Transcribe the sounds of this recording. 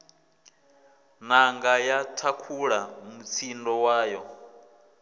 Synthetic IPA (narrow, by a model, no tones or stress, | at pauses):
naŋɡajatʰakʰuɺamut͡sʰindɔwaːjɔ